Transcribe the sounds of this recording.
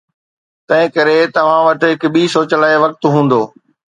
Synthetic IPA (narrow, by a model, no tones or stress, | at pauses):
t̪ɐ̃ɦɪ̃kɐɾet̪ɐʋ̤ãʋɐʈɦɪkɓiːsoːt͡ɕəlaːeʋɐk̚t̪ɦũːn̆d̪oː